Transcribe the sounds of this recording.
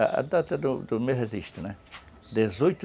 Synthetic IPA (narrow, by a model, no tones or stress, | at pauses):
ɐ̰ʔɐ̰d̪at̪ɐd̪ʊd̪ʊmeheziʃt̪ɪnɛ | d̪ezojt̪